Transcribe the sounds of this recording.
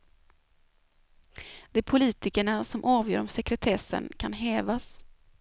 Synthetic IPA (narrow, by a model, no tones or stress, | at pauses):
d̪̥ɛæɾpʰʊliːt̪ɪkəɳasɔmʔɑːvjø̰ːɾɔmsɛkɾɛt̪ʰɛsːə̰nkʰanɦɛːvas